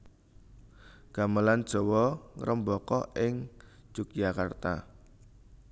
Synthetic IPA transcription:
ɡ̥a̤məland̥ʒ̥ɔ̤wɔŋɾəmbɔkɔʔɪŋ̥d͡ʒ̥uk̚d͡ʒakart̪a̰

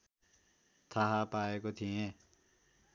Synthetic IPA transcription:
t̪ʰaɦapaːekot̪ʰĩẽ

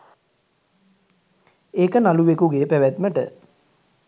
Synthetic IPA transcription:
eːkənaluʋekuɡeːpæʋæt̪məʈə̰

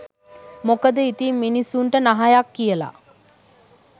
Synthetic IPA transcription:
mokəd̪əit̪imːinisːuɳʈənaɦajakːijəla̰

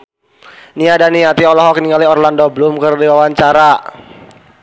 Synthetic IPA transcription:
niadaniat̪iɔlɔɦɔkniŋaliɔrlandɔblumkərdiwawaɲt͡ʃaɾa

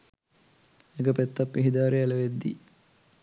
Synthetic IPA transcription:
eɡəpɛt̪ːapːiɦid̪aːɾeɛlɐʋed̪ːḭ

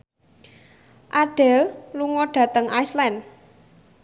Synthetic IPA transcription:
ʔaɖ̥ɛ̤lluŋɔɖ̥ä̤t̪əŋʔajslɛn

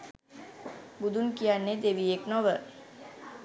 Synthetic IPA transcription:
bud̪unkijanːed̪eʋieknɔʋə

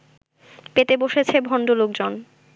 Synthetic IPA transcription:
pet̪eboʃet͡ɕʰebʱɔɳɖolok̚d͡ʑon

